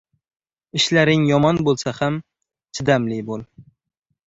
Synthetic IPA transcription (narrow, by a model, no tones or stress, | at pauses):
ɪʃlaɾɪŋjɒmɒnbolˠsaham | t͡ʃʰɪd̪amlɪbolˠ